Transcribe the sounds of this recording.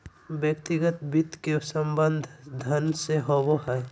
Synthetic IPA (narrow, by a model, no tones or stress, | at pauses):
bjəkt̪ɪɡət̪bɪt̪kesəmbə̃nd̪ʱd̪ʱɐnseɦowoɦɛː